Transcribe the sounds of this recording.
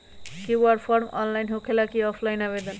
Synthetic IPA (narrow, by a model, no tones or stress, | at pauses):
kiwarpʰʌrmʌ̰nlajnɦokʰelakiʌpʰlajnaβed̪ʌn